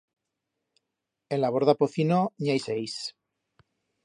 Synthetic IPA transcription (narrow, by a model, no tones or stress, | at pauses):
elaβoɾðapoθinoɲajsejs